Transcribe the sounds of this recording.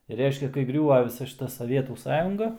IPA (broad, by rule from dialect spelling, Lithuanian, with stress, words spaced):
ɪr ˈrʲɛɪʃʲkʲɛ kɐɪ ˈɡrʲuːʋɐ ʋʲɪˈsɐ ʃʲɪˈtɐ sɐˈʋʲiɛtuː ˈsɑːjʊŋɡɐ